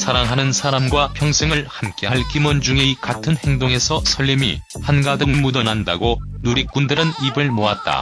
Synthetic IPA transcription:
sʰaɾaŋɦanɯnsʰaɾamɡwapʰjʌŋsʰeŋɯɭhamk͈eɦaɭkimond͡ʑuŋikatʰɯnhe̞ŋdoŋe̞sʰʌsʰʌʎːimḭhanɡadɯŋmudʌnɦandaɡonuɾik̚k͈undɯɾɯnibɯɭmoat̚t͈a̰

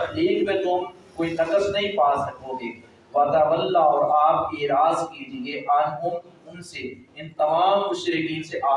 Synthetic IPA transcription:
leːkbẽt̪ʊm | koːit̪ɐkəsnɐɦĩpaːsnɐkoːɡ̪eː | ʋɐd̪aːbəlːaɔːɾaːpeːɾaːzkiːd͡ʒĩeʔaːnkʊmʊnseɪnt̪ɐmaːmkʊʃɾɪkiːnseʔaː

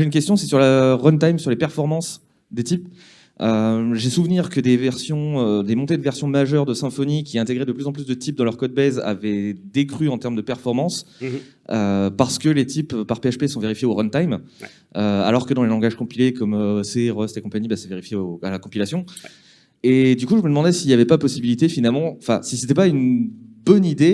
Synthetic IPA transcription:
eynkʲɛst̪jɔ̃sɛsyʁləʁɔnt̪ajmsyʁlepɛʁfɔʁmɑ̃s | d̪et̪ip | øʒesuvniʁkəd̪evɛʁsjɔ̃ød̪emɔ̃t̪ed̪əvɛʁsjɔ̃maʒœʁd̪əsɛ̃fɔnikʲiɛ̃t̪eɡʁed̪əplyzɑ̃plysd̪ət̪ip̚d̪ɑ̃lœʁkɔd̪̚bɛza̰vɛd̪ekχyɑ̃t̪ɛʁmd̪əpɛʁfɔʁmɑ̃s | øpaʁsə̥kəlet̪ʰippaʁpeaʃpesɔ̃veʁifjeoʁɔnt̪ajm | øa̰lɔʁkəd̪ɑ̃lelɑ̃ɡaʒkɔ̃pilekɔmøseʁɔst̪ekɔ̃paɲibasɛveʁifjeoalakɔ̃pilasjɔ̃ | ed̪ykuʒəməd̪əmɑ̃d̪ɛsiːljavɛpapɔsibilit̪efinalmɑ̃ɑ̃fɛ̰̃siset̪ɛpaynbɔnid̪e

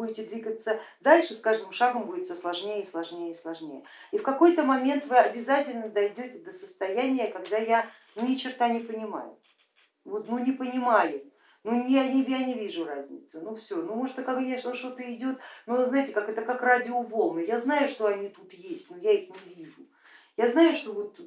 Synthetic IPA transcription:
uɪtʲɪd̪vʲiɡət̪səd̪alʲʂɨskaʐd̪ɨmʂaɡəmbudʲɪt̪səslˠɐʐnʲejəislˠɐʐnʲejəslˠɐʐnʲejə̰ | ifkɐko̞jt̪əmɐmʲe̞nt̪vɨɐbʲɪzatʲɪlʲnəd̪ɐjdʲotʲɪd̪əsəst̪ɐjænʲɪjəkɐɡd̪aja | nunʲɪt͡ɕɪrt̪anʲɪpənʲɪma̰jʊ̰ | vot̪nunʲɪpənʲɪmajʊ | nunʲɪjanʲɪvjanʲɪvʲiʐʊrazʲnʲɪ̰t̪sənufsʲo̞numoʐt̪əkɐknʲeʂnəʂt̪o̞t̪əɪdʲo̞t̪noznajtʲɪkakɛt̪əkakradʲɪʊvolˠnəjaznajʊʂt̪o̞ɐnʲit̪ut̪jesʲtʲnujaixnʲɪvʲiʐʊ | jaznajʊʂt̪o̞vo̞t̪

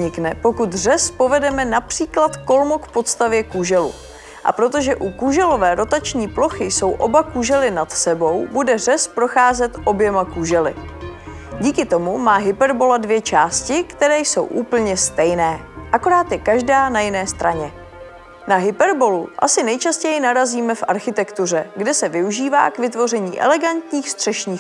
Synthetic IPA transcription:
ɲɪknɛpo̞kut̪r̝ɛspo̞vɛdɛmɛnapr̥iːklat̪ko̞lmokpo̞t̪st̪avjɛkuʒɛlṵ | ʔa̰pɾo̞t̪o̞ʒɛʔukuʒɛlo̞vɛːɾo̞t̪at͡ʃɲiːplo̞xɪjso̞wʔo̞bakuʒɛlɪnat̪sɛbo̞wbudɛr̝ɛspɾo̞xaːzɛt̪ʔo̞bjɛmakuʒɛlɪ̰ | ɟiːkɪt̪o̞mumaːɦɪpɛɾbo̞ladvjɛt͡ʃaːscɪkt̪ɛɾɛːjso̞̰wʔuːpl̩ɲɛst̪ɛjnɛːʔako̞ɾaːt̪jɛkaʒdaːnajɪnɛːst̪ɾaɲɛ | naɦɪpɛɾbo̞luʔa̰sɪnɛjt͡ʃascɛjɪnaɾaziːmɛfʔaɾxɪt̪ɛkt̪ur̝ɛɡdɛsɛvɪuʒiːva̰ːkvɪt̪vo̞rɛɲḭːʔɛ̰lɛɡant̪ɲiːxst̪r̥ɛʃɲiː

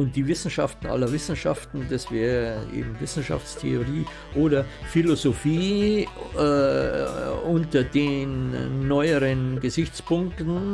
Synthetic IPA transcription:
ʊnt̚d̥iːvɪsn̩ʃaftn̩ʔa̰lɐvɪsn̩ʃa̰ftn̩dasv̥ɛːʁəʔḛːbm̩vɪsn̩ʃa̰ft͡stʰḛoʁiː | ʔoːɾɐfilozofiː | ʔʊntɐdeːnːɔʏəʁənɡəzɪçt͡spʊŋktn̩

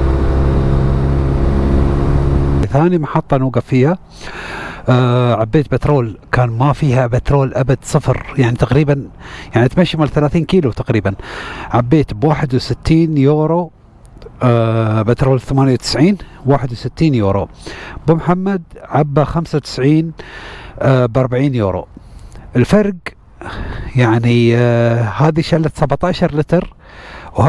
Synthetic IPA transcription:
θaːnimaħɑt̪ˤːɑnoːɡafiːha | ʕabːeːt̪̚bɪt̪ɾoːlkaːnmafiːhabɪt̪ɾoːlʔabad̪sˤɨfɾjaʕnit̪aqɾiːbanjaʕnit̪maʃːimɪlθalaːθiːnkiːlut̪aqɾiːbanʕabːeːt̪bwaːħɪd̪wsɪt̪ːiːnjoːɾo | bat̪ɾˤɑwalθamaːnjawt̪ɪ̥sʕiːnwaːħɪd̪wsɪt̪ːiːnjuːɾˤo̰bɪmħamːad̪̚ʕabːaxamsawt̪ɪ̥sʕiːn | bʔɑɾˤbaʕiːnjoːɾo̰ʔɪlfɑɾˤɡ | jaʕni | haːðiʃalːat̪sabʕt̪aːʃɑɾˤlɪt̪ɾ | w

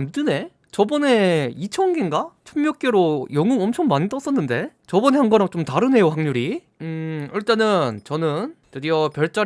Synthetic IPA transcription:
mdɯne̞ | t͡ɕʌbʌne̞it͡ɕʰʌnɡenɡat͡ɕʰummjʌk͈̚e̞ɾojʌŋuŋʌmt͡ɕʰʌŋmaɲit͈ʌs͈ʌnːɯnde̞t͡ɕʌbʌne̞haŋɡʌɾaŋt͡ɕomtaɾɯne̞johaŋɲuɾi | ɯiɭt͈anɯnt͡ɕʌnɯnt͡ɕɯdiʌpjʌɭt͡ɕ͈a

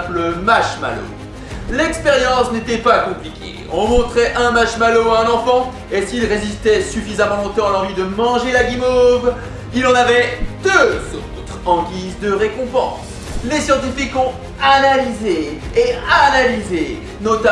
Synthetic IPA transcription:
pləmaʃma̰lo̰ | lɛkspeʁjɑ̃snet̪ɛpakɔ̃plikʲḛ | ɔ̃mɔ̃t̪χɛʔɛ̃maʃmaloaɛ̃nɑ̃fɑ̃ | esilʁezist̪ɛsyfizamɑ̃lɔ̃t̪ɑ̃alɑ̃vid̪əmɑ̃ʒelaɡʲimov | ilɑ̃navɛd̪øzo̰ | t̪χɑ̃ɡʲizd̪əʁekɔ̃pɑ̃s | lesjɑ̃t̪ifikɔ̃ | analizeː | analize | nɔt̪a

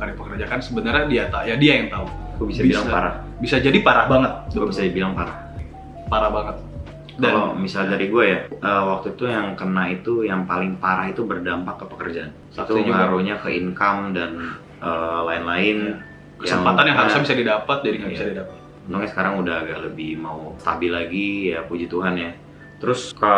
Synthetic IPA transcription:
kalipəkərd͡ʒakansəbənərɲadiat̪ajadiajaŋt̪auakubisabilaŋpaɾah | bisad͡ʒadipaɾahbaŋət̪̚kubisadibilaŋpaɾah | paɾahbaŋət̪̚ | dalomisaldaɾiɡuajaʔəwak̚t̪uit̪ujaŋkənait̪ujaŋpalɪŋpaɾahit̪ubərdampakːəpəkərd͡ʒaʔan | it̪uaɾuɲakəʔiŋkamdan | əlaɪnlaɪn | kəjsaəŋmpat̪anjaŋɦaɾusɲabisadidapat̪̚d͡ʒaɾiŋaisadidapat̪̚ənt̪ʊkɲasə̥kaɾaŋudaɦaɡaʔləbɪhmaust̪a̰bɪlaɡijapud͡ʒit̪uɦanja | t̪əɾʊskala

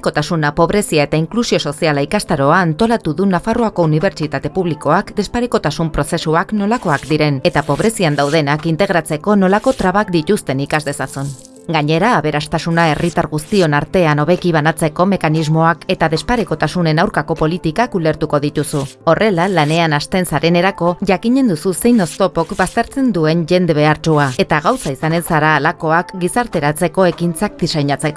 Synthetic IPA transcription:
ko̞t̪asunapo̞βɾe̞siaet̪aiŋklusio̞so̞sialaikast̪aɾo̞aːnt̪o̞lat̪uðunafaroako̞uniβ̞e̞ɾt͡ʃit̪at̪e̞puβliko̞akd̪e̞spaɾeko̞t̪asumpɾo̞se̞suakno̞lako̞akd̪iɾe̞ne̞t̪apo̞β̞ɾe̞siand̪awðe̞nakint̪e̞ɣ̞ɾat͡se̞ko̞no̞lako̞t̪ɾaβakd̪it̪ust̪e̞nikazd̪e̞sasun | ɡaɲe̞ɾaːβe̞ɾast̪asunae̞rit̪aɾɣust̪io̞naɾt̪e̞ano̞βe̞kiβ̞anat͡se̞ko̞me̞kanizmo̞ake̞t̪aðe̞spaɾeko̞t̪asune̞nawɾkako̞po̞lit̪ikakule̞ɾt̪uko̞ðit̪usuo̞re̞lalane̞anast̪e̞nsaɾe̞ne̞ɾako̞ʝakiɲe̞nd̪ususe̞jno̞st̪o̞po̞kbast̪e̞ɾt͡se̞nd̪ue̞ɲʝe̞nd̪e̞β̞e̞aɾt͡ʃuae̞t̪aɣawsaisane̞nsaɾaːlako̞akɡisaɾt̪e̞ɾat͡se̞ko̞e̞kint͡sak̚d̪isajɲat͡se̞ko

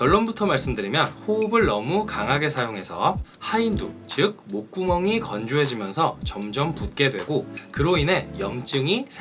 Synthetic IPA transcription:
kjʌɭːonbutʰʌmaɭs͈ɯmdɯɾimjʌnɸoubɯɭnʌmukaŋɦaɡe̞sʰajoŋɦe̞sʰʌhaindṵt͡ɕɯk̚mok̚k͈umʌŋikʌnd͡ʑuɦe̞d͡ʑimjʌnsʰʌt͡ɕʌmd͡ʑʌmput̚k͈e̞dwe̞ɡokɯɾoine̞jʌŋt͡ɕ͈ɯŋisʰ

